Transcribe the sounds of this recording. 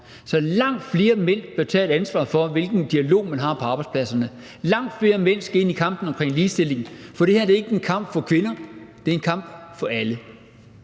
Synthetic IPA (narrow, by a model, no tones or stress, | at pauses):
sɒ̽lɑ̈ŋ̰d̥fle̝ːɐmen̰b̥eɐt͡sʰɛ̰ːe̝ɾænsʋɑ̰̈fɒ̽ʋe̝lɡ̥n̩d̥iælo̝̰ːmænɦɑ̈pʰɒ̽ɑ̈ːb̥ɑ̈ɪspʰlæsɐnə | lɑ̈ŋ̰d̥fle̝ːɐmen̰sɡ̥æe̝nikʰɑ̈m̰b̥n̩ɒ̽mkʰʁeŋ̰liːsd̥e̝le̝ŋn̩fɒ̽ɾ̥e̝heɐd̥e̝e̝ɡ̥əe̝nkʰɑ̈m̰b̥fɒ̽kʰʋe̝nɐd̥e̝e̝nkʰɑ̈m̰b̥fɒ̽ælə